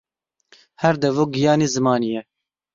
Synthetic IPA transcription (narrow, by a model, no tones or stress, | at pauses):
hɛɾd̪ɛvoːɡijɑːneːzɨmɑːnijɛ